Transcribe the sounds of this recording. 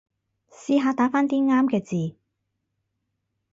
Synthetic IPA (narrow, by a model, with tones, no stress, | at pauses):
siː˧ɦaː˨˧t̪aː˨˥faː˥nt̪iː˥ŋaː˥mkɛː˧t͡siː˨